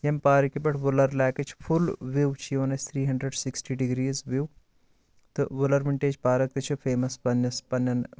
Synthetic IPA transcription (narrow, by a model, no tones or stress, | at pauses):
jɐmpaːɾikibɐʈʰʋʊlɐɾlaːkɐt͡ʃʰpʰulʋiwt͡ʃʰioːnɐt͡ʃʰʲt̪ʰɾiːɦɐɳɖɾeɖsiksʈiɖiɡɾiːzʋiw | t̪ɨʋulɐɾmɪɳʈeːd͡ʒpaːɾɐk̚t̪ɨt͡ʃʰufʰeːmɐspɐnɐspɐnɐn